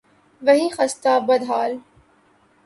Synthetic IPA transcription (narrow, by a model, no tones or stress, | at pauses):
ʋɐɦĩːxɐst̪aːbɐd̪ɦaːl